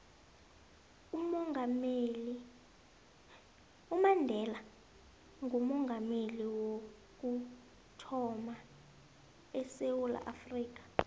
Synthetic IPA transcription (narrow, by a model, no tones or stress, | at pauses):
umŋm | umandʱɛla | ŋɡʱumɔŋɡʱameliwo | k̬u | tʰɔma | ɛsewula̰ʔafriːk̬ḁ